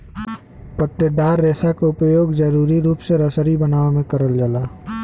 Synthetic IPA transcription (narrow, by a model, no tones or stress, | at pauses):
pət̪ːəd̪aːɾːeːsakaʊpjoːɡd͡ʒɐɾuːɾiɾuːpseɾəsəɾibənaːomẽkəɾəld͡ʒəlaː